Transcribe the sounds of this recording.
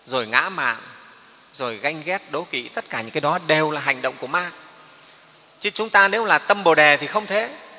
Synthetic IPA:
zo˨˩jŋa̰ː˧˥ma̰ː˧˨ŋ | zo˨˩jɣa˧jŋ̟ɣɛ˦˥t̚ɗo˨˦kḭ˧˨t̪ə˦˥t̚kaː˧˩ɲɨ̰˧ŋkaː˨˦jɗɔ˨˦ɗe˨˩wlaː˨˩ɦa˨˩jŋɗə̰˧˨ŋ͡mku˧˩əmaː˧ | t͡ɕɨ˧˥t͡ɕʊ˨˦ŋ͡mt̪aː˧ne˨˦wlaː˨˩t̪ə˧mɓo˨˩ɗe˨˩t̪ʰi˨˩xə˧wŋ͡mt̪ʰe˨˦

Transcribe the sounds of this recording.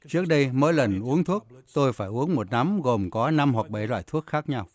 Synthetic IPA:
t͡ɕɨ˦˥ək̚ɗə˧jməː˨˦jlə˨˩nʔu˨˦əŋt̪ʰu˦˥ək̚t̪o˧jfaː˧˩jʔu˨˦əŋmo˨˩t̚na˨˦mɣo˨˩mkɔ˨˦na˧mɦwa˨˩k̚ɓḛ˧˨zwa̰ː˧˨jt̪ʰu˦˥ək̚xaː˦˥k̚ɲa˧w

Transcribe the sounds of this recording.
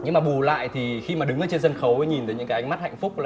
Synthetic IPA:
ɲɨ˧ŋmaː˨˩ɓu˨˩la̰ː˧˨jt̪ʰi˨˩xi˧maː˨˩ɗɨ˨˦ŋʔəː˨˧˩t͡ɕe˧nzə˧nxə˨˦wə˨˦ɲi˨˩nt̪ə˨˦ɲɨ̰˧˥kaː˨˦ʔa˧ŋma˦˥t̚ha̰˧˨jŋ̟fʊ˦˥k͡pk͡p̚laː˨˩

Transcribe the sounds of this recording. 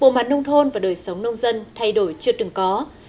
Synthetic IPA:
ɓo̰˧˨maː˨˩n̚ə˧wŋ͡mt̪ʰo˧nvaː˨˩ɗəː˨˩jsə˨˦wŋ͡mnə˧wŋ͡mzə˧nt̪ʰa˧jɗo˧˩jt͡ɕɨ˧ət̪ɨ˨˩ŋkɔ˨˦

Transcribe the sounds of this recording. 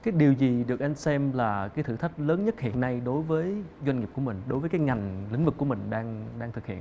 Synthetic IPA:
kaː˨˦jɗi˨˩əwzi˨˩ɗɨ˨˩ək̚ʔa˧jŋ̟sɛ˧mlaː˨˩kaː˨˦t̪ʰɨ̰˧˩t̪ʰa˦˥k̟̚ləː˨˦nɲə˦˥t̚hḭ˧˨ənːa˧jɗo˨˦jvəː˨˦jzwa˧ŋi˨˩p̚ku˧˩mï˨˩ŋ̟ɗo˨˦jvəː˨˦kaː˨˦jŋa˨˩jŋ̟lḭ˧˥ŋ̟vɨ˨˩ku˧˩əmï˨˩ŋ̟ɗaː˧ŋɗaː˧ŋt̪ɨ˨˩khḭ˧˨ə

